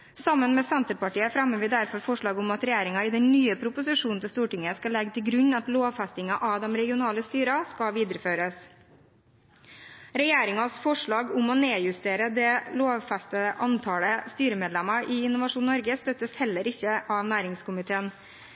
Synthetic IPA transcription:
sɑmːənmɛsɛnt̪əɾpɑʈiːəfɾɛmːəʋɪd̪æɾfɔɾfɔʂɭɑːɡʊmɑt̪ɾɛjeːɾɪŋɑɪd̪ɛnnyːəpʰɾʊpʊsɪʂuːnn̩t̪ʰɪst̪uːʈɪŋːəskɑlɛɡt̪ʰɪɡɾʉɲːɑt̪loːʋfæst̪ɪŋɑʔɑʋd̪ɛmɾɛɡɪʊnɑːləst̪yːɾɑskɑʋiːd̪əɾəføːɾəs | ɾɛjeːɾɪŋɑsfɔʂɭɑːɡʊmɔneːjʉst̪eːɾəd̪ɛloːʋfæst̪əʔɑnt̪ʰɑːləst̪yːɾəmeːd̪lɛmɑɾɪɪnʊʋɑʂuːnːɔɾɡəst̪œt̪ːəshɛlːəɾɪçːəʔɑʋnæːɾɪŋskʊmɪt̪ʰeːən

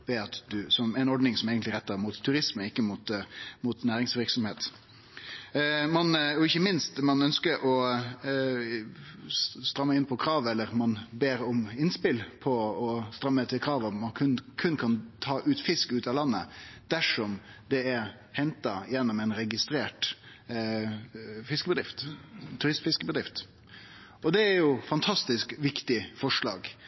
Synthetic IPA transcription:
ʋɛɑt̪d̪ʉsɔmæɪnɔɖnɪŋsɔmeːɡənt̪lɪɾɛt̪ːəɾmuːt̪ʰːʉɾɪsməɪkːəmut̪muːt̪næːɾɪŋsʋɪɾksɔmheːt̪ | mɑnɔɪçːəmɪnst̪mɑnœnskəɾʔɔ | st̪ɾɑmːəɪnpʰɔkʰɾɑːʋɛlːəɾmɑnbeːɾɔmɪnspɪlpʰɔɔst̪ɾɑmːət̪ʰɪlkʰɾɑːʋɔmːɑnkʰʉnkʰʉnːkʰɑnt̪ʰɑːʔʉːt̪fɪskʉːt̪ɑlɑnːə̰d̪̥æʂɔmd̪ɛæɾ | hɛnt̪ɑjɛnːɔmɛnɾɛɡɪst̪ɾeːʈ | fɪskəbəd̪ɾɪft̪t̪ʰʉɾɪst̪fɪskəbəd̪ɾɪft̪ | ɔd̪ɛæɾjʊfɑnt̪ʰɑst̪ɪskʋɪkt̪ɪfɔʂɭɑ̰ːɡ

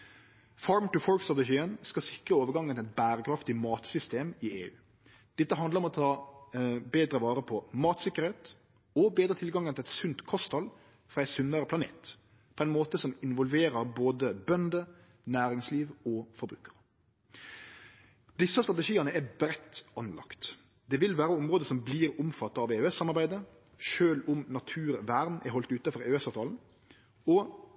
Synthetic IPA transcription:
fɑːɹmt̪ʉfɔɹkst̪ʁɑt̪ɛʃiːənskɑsɪkɾəoːʋəɾɡɑŋːənɛt̪̚bæːɾəkʰɾɑft̪ɪmɑːt̪sʏst̪eːmɪeːʉ̰ː | d̪̥ɛt̪ːəɦɑnd̪əɾɔmɔt̪ʰɑː | beːd̪ɾəʋɑːɾəpʰɔmɑːt̪sɪkːəɾeːt̪ | ɔbeːd̪ɾət̪ʰɪlɡɑŋːənʰɪlɛt̪sʉnt̪kʰɔst̪ʰɑl | fɾʁɑːɛɪsʉnːəɾəpʰlɑnḛːt̪ | pʰɔɛnmoːt̪əsɔmɪnʋɔlʋeːɾəɾboːd̪əbœnd̪ə | næːɾɪŋsliːʋɔfɔɾbɾʉ̰ːkəɾ | d̪ɪsːəst̪ʁɑt̪əʃiːɑnəæbɾɛt̪ːɑnlɑ̰kt̪ | d̪ɛʋɪlʋæːɾəʊmɾoːd̪əsɔmbliːɾʊmfɑt̪ːɑɑʋeːʉɛsːɑmːɑɾbæɪd̪ə | ʃøːlʊmnɑt̪ʰʉːɾʋæɾnɛ̰ɦɔlt̪ʉːt̪əfɔɾeɛsɑːʋt̪ʰɑːln̩ | ɔ

